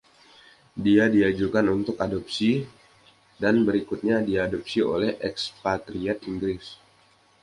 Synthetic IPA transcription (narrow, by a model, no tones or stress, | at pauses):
diadiad͡ʒukanunt̪ʊkadɔp̚si | danbəɾikut̪̚ɲadiadop̚sio̰lɛhʔɛkspat̪ɾiɔt̪iŋɡɾɪs